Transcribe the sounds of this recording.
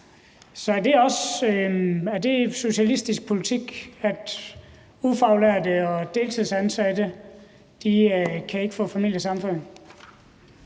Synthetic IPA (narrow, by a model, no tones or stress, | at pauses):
sɒ̽æɐd̥e̝ɒ̽s | æɐd̥e̝so̝ɕælisd̥isɡ̥̚pʰo̝lit͡sʰiɡ̥æd̥ | ufɑ̈ʊlæɐd̥əɒ̽d̥e̝ːlt͡sʰiðˠsænsæd̥ə | d̥ikʰæe̝ɡ̥əfɔ̰̽ːfæmil̰jəsɑ̈mfɔ̽n̰